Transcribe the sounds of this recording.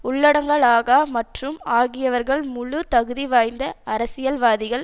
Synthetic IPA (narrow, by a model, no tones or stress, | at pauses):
ʊɭːɐɽɐŋɡɐɭaːɣaːmɐʈrɯmaːɣɪjɐʋɐɾɣɐɭmʊɭʊt̪ɐɣɯðiʋaːjnd̪ɐɐɾɐsɪjɐlʋaːðɪɣɐɭ